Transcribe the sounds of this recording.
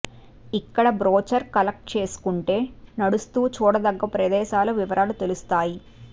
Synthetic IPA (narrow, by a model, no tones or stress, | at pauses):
ikːɐɽɐbɾoːt͡ʃɐɾkɐlɐk̚ʈ̚t͡ʃe̞ːsu̥kuɳʈe̞ːnɐɽust̪uːt͡ʃuːɽɐd̪ɐɡːɐpɾɐd̪ɛːʃaːlɐʋiʋɐɾaːlut̪e̞lust̪aːji